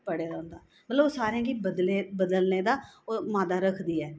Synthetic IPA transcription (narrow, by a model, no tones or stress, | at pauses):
pəɽeːd̪aːʊ̃nd̪aː | mət̪ləboːsaːɾãːɡibəd̪leːbəd̪əlneːd̪aːomaːd̪aːɾəkʰd̪iːɛː